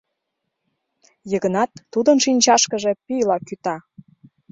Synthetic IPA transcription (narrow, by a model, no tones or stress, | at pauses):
jəɣənɑt̪ːud̪ənʃinʲt͡ɕɑʃkə̆ʒe̽pyjlɑkyt̪ɑ